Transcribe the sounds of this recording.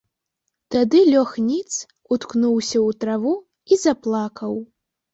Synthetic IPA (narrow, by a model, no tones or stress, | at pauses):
t̪ad̪ɨlʲɔxnʲit̪s | ut̪knuwsʲɐut̪ɾavu | izaplˠakɐw